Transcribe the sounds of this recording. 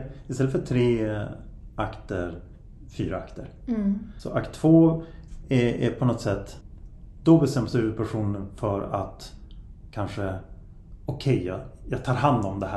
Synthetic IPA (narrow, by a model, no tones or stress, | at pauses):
ɪst̪ɛlːəfœʈʰɾeː | ʔakt̪əɾ | fy̰ːɾaa̰kt̪əɾ | sɔʔakt̪ʰv̥oː | ɛæɾpʰɔnɔt̪sɛt̪ː | d̪̥ɔbɛst̪ɛmːsd̪ʉpʰæʂuːnənfœɾa̰t̪kʰanʂə | ɔkʰɛjːɑjɑːɡt̪ʰɑːɾɦand̪ɔmd̪ɛhæ